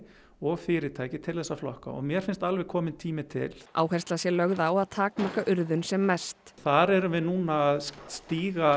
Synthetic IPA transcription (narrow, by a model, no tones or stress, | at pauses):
ɔɣfɪːɾɪt̪ʰaːjcɪt̪ʰɪlθɛsːaflɔ̰hka̰ɔ̰ɣmjɛɾfɪnst̪alvɛkʰɔːmɪnt̪ʰiːmɪt̪ʰɪ̰lʔa̰ːwhɛrst̪lasjɛlœɣðaːwaðt̪ʰaːkmakaʔʏɾðʏnsɛmːɛst̪θaɾɛɾʏvɪðnuːnaːðst̪iːɣa